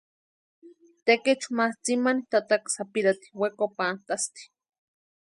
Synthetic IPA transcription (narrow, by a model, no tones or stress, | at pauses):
t̪eket͡ʃmaht͡simanit̪at̪aksapiɾat̪i̥wekopant̪ast̪i̥